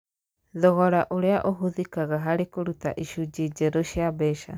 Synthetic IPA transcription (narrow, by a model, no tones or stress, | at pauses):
ðɔɣɔɾaʔoɾeaʔoɦuðikaɣaɦaɾekoɾuta̰ʔiʃud͡ʒid͡ʒeɾoʃjabɛʃa̰